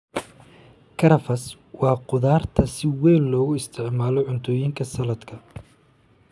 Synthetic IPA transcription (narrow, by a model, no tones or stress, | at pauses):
kʰɐɾɐfɐs | wɑːqʊðaːrt̪ʰɐsɪwɛːlːɔːɣʊɪst̪ʰɪʕmaːlɔʕʊnt̪ʰɔːjɪŋkʰɐsɐlɐd̪kʰɐ